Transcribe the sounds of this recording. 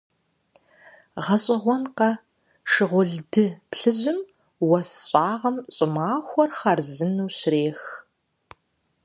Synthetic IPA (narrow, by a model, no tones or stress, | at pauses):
ʁɐɕʼɪʁʷɔnqɐ | ʂɨʁʷʊɮdɨpɬɨʑɪm | wɐsɕʼaːʁɐmɕʼɪmaːxʷɔrχarzɨnuːɕreːx